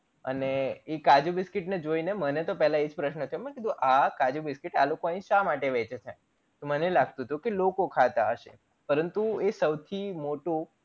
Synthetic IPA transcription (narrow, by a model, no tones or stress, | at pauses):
ə̰neːkad͡ʒubɪskiʈned͡ʒoinemənet̪opɛɦlãed͡ʒpɾəʃnət̪ʰəjomə̃kid̪ũʔakad͡ʒubɪskiʈalokoãĩʃamaʈeʋɛt͡ʃet̪ʰa | t̪omənelaɡ̚t̪ut̪ʰũkelokokʰat̪aɦəʃḛ | pəɾənt̪uesəwt̪ʰimoʈu